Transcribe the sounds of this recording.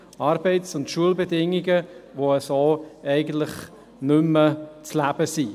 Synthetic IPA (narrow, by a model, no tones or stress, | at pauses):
ɑːɾbɛɪtsʊntʃuəlbedɪŋːiɡəʋoəsoːɛɪɡən̩tlɪχ | nʏmːət͡slæb̥əsi